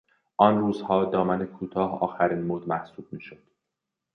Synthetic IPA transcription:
ʔɒnruːzhɒːd̪ɒːmænekʰuːt̪ʰɒːhɒ̰ːxæɾiːnmod̪mæhsuːb̥̚miːʃod̪̥

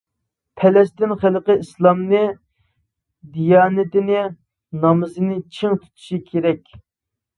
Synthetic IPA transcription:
pʰɛlɛst̪ɪnχəlˠqəislˠɑmnɨ | d̪ijɑːnɪt̪ɪnɪ | nɑmɨzɨnɪt͡ʃʰɪŋt̪ʰu̥t̪ʰu̥ʃikʲʰeɾɛkʲ

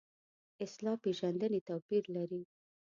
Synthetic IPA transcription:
ɪslɑpeʒand̪ənet̪awpiɾlaɾi

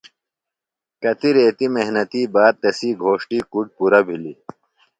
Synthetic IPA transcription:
kɐt̪iɾeːt̪imeɦnɐt̪iːbaːd̪̚t̪ːɐsiːɡʱoːʂʈiːkuʈ̚puɾɐbʱili

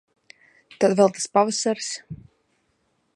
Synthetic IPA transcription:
t̪ad̪vɛlˠt̪ḁspavasaɾs

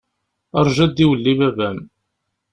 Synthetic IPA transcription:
əɾˤʒæd̪iwəlːiβævæm

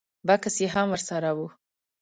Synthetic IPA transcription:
bakasjeɦamwəɾsaɾawu

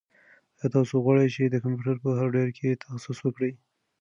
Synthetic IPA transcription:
ət̪ɑsoɣwɑɽəjt͡ʃed̪əkampjuʈəɾpəɦaɾɖeɾkʰet̪ʰaxsiswəkɽəj

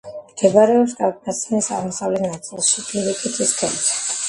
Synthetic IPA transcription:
mɡ̪̥ɛbaɾɛɔpsɡakʼnat̪sʰnisaʁmɔsavlɛnat̪sʼilˠʃipʰʼiɾikʼit̪ʰiskʰɛlt̪ʰɛ̥

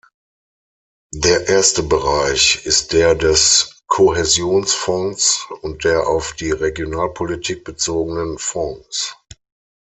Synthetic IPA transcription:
deːɐʔeːɐstəbəʁaɪçɪst̚d̥eːɐdɛskʰohɛzjoːnsfɔ̃ŋsʊnt̚d̥eːɐʔaʊfd̥iːʁeɡjonaːlpʰolitʰiːk̚b̥ət͡soːɡənənfɔ̃ŋs

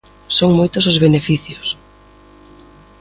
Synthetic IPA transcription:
soŋmojt̪ʊsozβenefiθjos

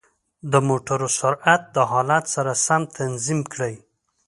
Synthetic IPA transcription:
d̪əmoʈaɾosʊɾat̪̚d̪əɦɑlat̪saɾasamt̪ʰanzimkɽəj

